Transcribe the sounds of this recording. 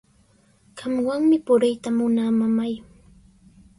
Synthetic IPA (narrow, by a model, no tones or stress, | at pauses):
ɢɑmwaŋmɪpʊɾɪjt̪amʊnamamaj